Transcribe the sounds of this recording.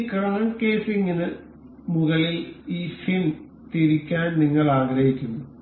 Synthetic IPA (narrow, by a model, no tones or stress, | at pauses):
krɐɳɐɳke̞ːsiŋːinɨ | muɣɐɭiliːfin | t̪iɾikʲːaːnniŋːɐɭaːɡɾɐhikʲːunːu